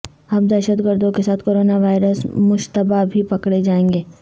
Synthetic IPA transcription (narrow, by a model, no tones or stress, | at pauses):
ɐb̚d̪ɛːʃəd̪ɡəɾd̪ʱõkesaːt̪ʰkoːɾoːnaʋaːɪɾəsmʊʃt̪əbabʱipɐkɽed͡ʒaːẽːŋɡeː